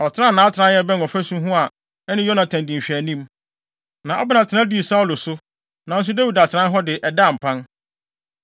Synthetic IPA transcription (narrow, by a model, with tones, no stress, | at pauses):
ɔ˨tʰɪ˦ɾã˦˨nã˨˦tʰã˦jɛ˦bɛ˦n˨ɔ˨fæ˦sũ˦ɦũ˦a˨ | ɛ˦nɪ̃˦jɔ˦nã˨tʰæ̃˨n˨dĩ˨m˨ɕᶣæ˨nĩ˦m | nã˨ʔa̰˦bɪ˦nã˨tʰɪ˨nã˦di˦˨sa˦ɔ˦lʊ˨sʊ˦ | nã˨n̩˦s̬ʊ˦dæ˦wu˨da˨tʰɪ˨ɾã˦nɦɔ˦dɪ˨ʔɛ˨da˦˨m̩˨pʰã˦n